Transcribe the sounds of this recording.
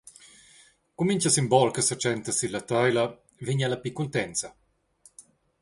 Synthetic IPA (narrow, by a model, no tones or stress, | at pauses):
kumiɲt͡ʃasimbɔlkəsat͡ʃɛnt̪asilat̪ajla | viɲalapikːunt̪ɛnt̪sɐ